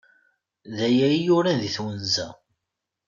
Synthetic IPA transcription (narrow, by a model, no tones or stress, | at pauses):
ðæjæjʊɾæðiθwənzæ̰